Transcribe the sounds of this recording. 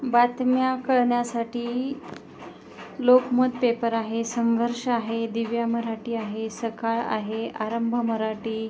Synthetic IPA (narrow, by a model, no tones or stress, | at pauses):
bat̪mjakəɭɳjasaʈiː | lokməd̪̚pepəɾaɦesəŋɡʱəɾʂaɦed̪iʋjaməɾaʈiːaɦesəkaɭa̰ɦeaɾəmbʱəməɾaʈiː